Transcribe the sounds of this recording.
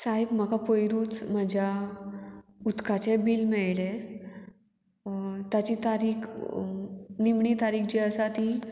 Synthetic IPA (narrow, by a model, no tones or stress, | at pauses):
saɦebm̤akapojɾuːt͡sməd͡ʑʱja | ut̪kʰat͡ɕɛ̃biːlmɛɭlɛ̃ | t̪jat͡ɕit̪aɾiːk | nimɳiːt̪aɾiːkd͡ʑiəsat̪ĩ